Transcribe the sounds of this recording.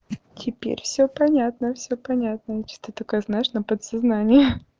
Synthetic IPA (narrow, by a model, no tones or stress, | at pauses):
tʲʰɪpʲḛɾʲfsʲɵpɐnʲat̪nəfsʲɵpɐnʲat̪nəjet͡ɕɪ̥sʲt̪ɨt̪okəjznaɪʂnəpət̪sɐznanʲɪjə